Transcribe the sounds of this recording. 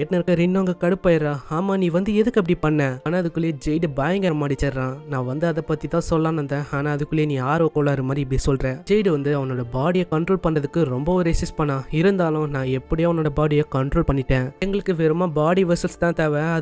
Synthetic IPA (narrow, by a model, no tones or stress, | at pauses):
ɛʈːnɐɾɯkːɐɾɪnːaːŋɡɐkɐɽɯpːaːjɪɾãːaːmaːnĩːʋɐnd̪ɯɛðɯkːɯɐp̬ːɐɽipɐɳːɛaːnaːɐðɯkːɯɭejed͡ʒɛjɖɯbaːjɐŋɡɐɾɐmaːɽit͡ʃɐɾɾãːnãːʋɐnd̪ɯɐðɐpɐt̪ːit̪ãːsɔlːãːnɐnd̪ɛ̃ːaːnaːɐðɯkːɯɭjeːnĩːaːɾoːkoːɭaɐɾɯmaːɾip̬ːɐɽisɔlɾẽːd͡ʒɛɪɖɯʋɐnd̪ɯɐʋɐnːoːɽɐbaːɽijɐkɐɳʈɾoːlpɐɳɾɐðɯkːɯɾɔmbɐɔɾesɪspɐɳːãːɪɾɯnd̪aːlʊ̃nãːɛpːɐɽɪjaːɐʋɐnːoːɽɐbaːɽijaːkɐɳʈɾoːlpɐɳːɪʈːẽːɛŋɡɐɭɯkːɯʋɛɾɯmaːbaːɽiʋɐɾsɐlst̪ãːt̪ɐːʋɛ̃ɐ